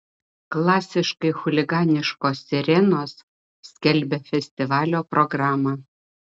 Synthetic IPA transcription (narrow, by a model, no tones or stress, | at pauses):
klˠɑːsʲɪʃkɐɪxʊlʲɪɡɑːnʲɪʃkoːsːʲɪɾʲɛnoːs | sʲkʲɛlʲbʲɛfʲɛsʲt̪ʲɪʋɑːlʲoːpɾɔɡɾɑːmɑ